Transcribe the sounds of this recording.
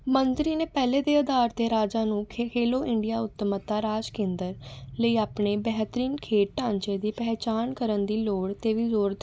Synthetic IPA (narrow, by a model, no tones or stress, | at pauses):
mənt̪ɾiːneːpɛːleːd̪eːəd̪aːɾt̪eːɾaːd͡ʒaːnũːkʰkʰeːloːʔɪɳɖijaːʊt̪ːəmət̪ːaːɾaːd͡ʒkẽːnd̪əɾləiːaːpɳeːbɛːɦt̪əɾiːnkʰeːʈ̚ːãːɲt͡ʃeːd̪iːpɛːt͡ʃaːnkəɾənd̪iːloːɽt̪eːʋiːzoːɾt̪